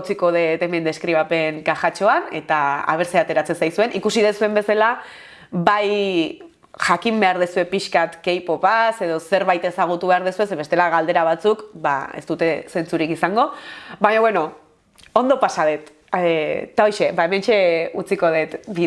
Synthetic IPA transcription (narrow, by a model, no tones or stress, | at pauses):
t͡siko̞ð̞et̪e̞mend̪eskɾiβ̞ape̞ŋkaxat͡ʃo̞ane̞t̪aa̰β̞e̞ɾseat̪e̞ɾat͡se̞nsajsue̞nʔikusiðesue̞mbe̞sala | βaj | ʝakimbe̞aɾðesue̞piʃkat̪ke̞jpo̞pase̞ðo̞se̞ɾβajt̪e̞saɣ̞ut̪uβe̞aɾðesue̞s̬eβe̞st̪e̞laɣald̪e̞ɾaβ̞at͡sukba̰e̞̰st̪ut̪e̞se̞nt͡suɾikisaŋɡo̞βaɲoβweno̞ | o̞nd̪o̞pasaðet̪ː | ao̞jʃe̞baeme̞nt͡ʃe̞ut͡siko̞ðet̪bi